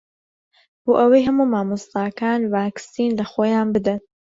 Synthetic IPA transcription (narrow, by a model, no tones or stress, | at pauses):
b̥oːʔɐwɐjɦɐmuːmaːmɨst̪aːkaːnvaːksiːnlɐxoːjaːnbɨd̪ɐn